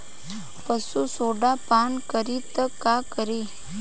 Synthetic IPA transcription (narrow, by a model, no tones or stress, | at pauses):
pəsusoɖapankəɾit̪əkakəɾe